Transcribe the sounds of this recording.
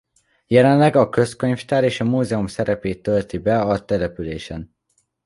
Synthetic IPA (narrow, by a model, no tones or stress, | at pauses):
jɛlɛnlɛɡɒkø̞skø̞ɲft̪aːɾeːʃɒmuːzɛumsɛɾɛpeːt̪ːø̞lt̪ibɛɒt̪ɛlɛpyleːʃɛn